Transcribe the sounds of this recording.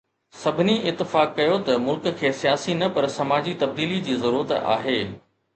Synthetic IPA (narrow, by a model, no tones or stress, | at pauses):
sɐbʱɪniʔɪt̪ːɪfaːkːɐjot̪ɐmʊlkkʰːeːsijaːsinɐpɐɾsɐmaːd͡ʑit̪ɐb̚d̪iːlid͡ʑiːzɐɾuːɾət̪a̰ːɦeː